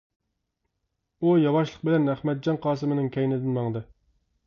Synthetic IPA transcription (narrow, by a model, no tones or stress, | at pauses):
ujɑwɑʃlˠəq̚bɪlɛnæχmɛt̪̚d͡ʒɑnqʰɑːs̬ɨmɪnɨŋkʲʰɛjnɪd̪ɪnmɑŋd̪ɨ